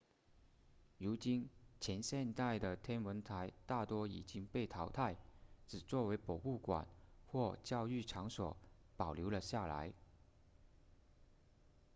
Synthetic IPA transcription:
ɻu˧˥t͡ɕi˥nt͡ɕʰjɛ˧˥nɕjɛ˥˧nt̪a˥˩ɪd̪ə˩t̪ʰjɛ˥nwə˧˥nt̪ʰa˧˥ɪt̪a˥˩t̪wɔ˥ḭ˨˩t͡ɕi˥ŋpe˥˩ɪt̪ʰɑ˧˥ʊt̪ʰa˥˩ɪʈ͡ʂɻ̩˨˩t͡swɔ˥˩we˧˥ɪpɔ˨˩u˥˩kwa̰˨˩nxwɔ˥˧t͡ɕjɑ˥˧ʊy˥˩ʈ͡ʂʰɑ˧˥ŋswɔ̰˨˩˦ | pɑ˨˩ʊljo˧˥ʊlə˧ɕja˥˩la̰˧˥ɪ

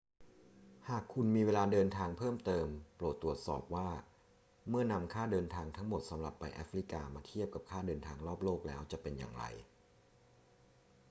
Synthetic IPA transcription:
haː˨˩kʰːu˧nmiː˧weː˧laː˧dɤː˧nt̪ʰaː˧ŋpʰɤː˥˩mt̪ɤː˧mpɾo˨˩t̪ːɾu˨˩ət̪̚sɔː˨˩p̚waː˥˩ | mɯ˥˩ɐna˧mkʰaː˥˩dɤː˧nt̪ʰaː˧ŋt̪ʰa˦˥ŋmo˨˩t̪̚sa˩˦mɾa˨˩pːa˧jʔa̰ː˦˥fɾi˦˩kaː˧maː˧t̪ʰi˥˩əp̚ka˨˩p̚kʰaː˥˩dɤː˧nt̪ʰaː˧ŋɾɔː˥˩p̚loː˥˩k̚lɛː˦˥wt͡ɕa˨˩pe˧nja̰ː˨˩ŋɾa̰˧j

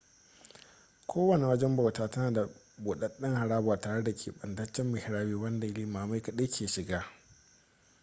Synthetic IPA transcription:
kʷʰoː˦wɐ˨ne˨wɐ˦d͡ʒɛ˦mba˨wtaː˦tɐ˦naː˨da˨ | boː˨ɗɐ˦ɗɪ˦ŋha˨ɽaː˦bʊ˨aː˨taː˨ɽe˦da˨kʲʰḛː˨ɓɐ˨ndɐ˦t͡ʃːɛ˦mːɪ˨hɪ˨ɾaː˦wiː˦wɐ˦nda˨˦liː˦maː˨ma˦jkɐ˨ɗe˦kʲʰeː˨ʃɪ˨ɡaː˦

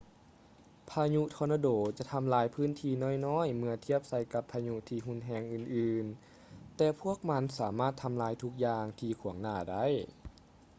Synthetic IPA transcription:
pʰaː˧ɲu˧˥t̪ʰɔː˧naː˧doː˩˦t͡ɕa˧˨t̪ʰa˧mlaː˨˦jpʰɯː˧˥˨nt̪ʰiː˧nɔː˧˥˩jnɔː˧˥˨jmɯ˧ɐt̪ʰi˧˩əp̚sa˧jka˧pʰːaː˧ɲu˧˥ʔt̪ʰiː˧ɦu˧˥˨nɦɛː˧ŋʔɯː˨˩nʔɯː˨˧n | t̪ɛː˧pʰu˥˩ək̚ma˧˥nsaː˩˦maː˧˥˩t̪ʰːa˧mlaː˧˦jt̪ʰu˧˥k̚jaː˧ŋt̪ʰiː˧kʰu˨˩˦əŋnaː˧˩da˥˩˨j

